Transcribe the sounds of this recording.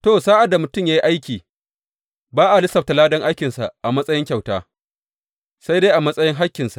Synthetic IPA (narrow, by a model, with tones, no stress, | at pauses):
toː˦˨saː˦ʔa˨da˨mʊ˨tʊ˦mjaː˦ji˦ʔa˦jkʲiː˨ | baː˦ʔa˨lɪ˦sɐ˨ta˨laː˦dɐ˦ŋʔa˦jkʲɪ˨nsa̰˨ʔʔa˨mɐ˦sʼɐ˦jɪ˦ŋkʲa˨wtaː˦ | sa˦jdeː˦jʔa˨mɐ˦sʼɐ˦jɪ˦ŋɦa˦kʲːɪ˨nsḁ˨ʔ